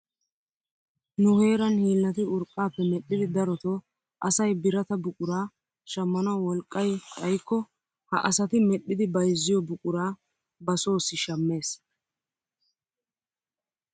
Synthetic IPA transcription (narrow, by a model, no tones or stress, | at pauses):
nʊhe̞ːɾɐnhiːlːɐt̪ɪʊɾkʼːaːpːɛmɛɗːɪd̪ɪd̪ɐɾɔt̪o | ʔɐsɐjbɪɾɐt̪ɐbʊkʼʊɾaː | ʃɐmːɐnɐwɔlkʼːɐjt̪ʼɐjkːɔ | hɐ̰ʔɐsɐt̪ɪmɛɗːɪd̪ɪbɐjzːɪjɔbʊkʼʊɾaː | bɐso̞ːsɪʃɐmːe̞ːs